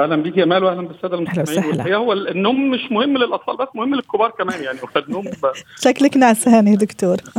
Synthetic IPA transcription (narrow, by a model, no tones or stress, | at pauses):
ʔæhlæmbiːkiʔæmæːluwʔæhlænbesːæːd̪ælmħlæwælæ̰hejːæhowːælenːoːmːeʃmohemːlelʔɑt̪ˤfɑ̰ːlbæsːmohemːlelkobɑːɾˤkæmæːnjaʕniwnːoːmbæʃæklæknaʕsæːnid̪okt̪oːɾˤ